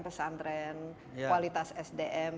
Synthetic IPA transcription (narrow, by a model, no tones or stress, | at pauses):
pəsand̪ɾɛn | walit̪asɛsdeʔɛm